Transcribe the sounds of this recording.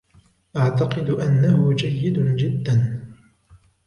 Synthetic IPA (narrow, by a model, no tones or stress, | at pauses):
ʔaʕt̪aqɨd̪ʔanːahʊd͡ʒajːɪd̪ʊd͡ʒɪd̪ːan